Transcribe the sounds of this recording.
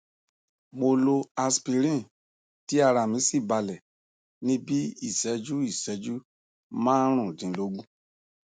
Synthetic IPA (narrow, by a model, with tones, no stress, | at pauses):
mo˧lo˧a˧spi˧ɾĩ˦˨ | ti˨˦a˧ɾa˧˨mĩ˨˦si˦˨ba˧lɛ˨ | nĩ˦bi˦i˦˨sɛ˨˦d͡ʒu˦i˦˨sɛ˨˦d͡ʒu˦ | mãː˦ɾ̃ũ˦˨dĩ˨˦lo˨˦ɡũ˦